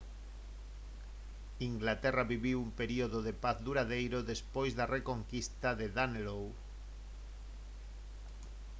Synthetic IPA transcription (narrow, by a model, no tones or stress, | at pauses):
iŋɡlat̪eraβiβiwumpeɾioðoðepaθðuɾaðejɾoðespojzðarekoŋkist̪aðeðanelow